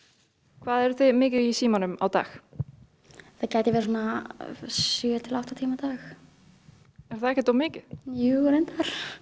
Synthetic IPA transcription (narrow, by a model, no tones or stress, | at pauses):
kʰvaːðɛɾʏθʏðmɪːcɪisiːmɔnʏma̰wt̪a̰ːx | θaðcajt̪ɪvɛːɾs̬uːna | sjœːt̪ʰɪlawht̪at̪ʰiːmat̪aːx | ɛɾ̥θaðɛhçcɛt̪owmɪːcɪ̥juɛɾent̪aɾ̥